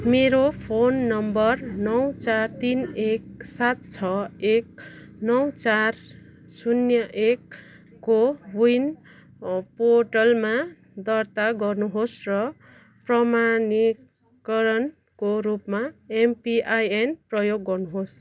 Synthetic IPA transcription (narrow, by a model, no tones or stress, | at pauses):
meɾopʰonːʌmbʌrnʌwt͡sart̪inek̚sat̪̚t͡sʰʌek̚nʌwt͡sar | sunjʌʔekː | owujn | poʈʌlma | d̪ʌrt̪aɡʌrnuɦosrʌ | prʌmani | kʌɾʌn | koɾupmaempiʔajenprʌjoɡːʌrnuɦos